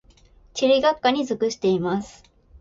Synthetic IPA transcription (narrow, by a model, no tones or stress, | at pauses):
t͡ɕiɾʲiɡakːaɲ̟izɨkɯ̟ɕi̥t̪e̞imasɨ̥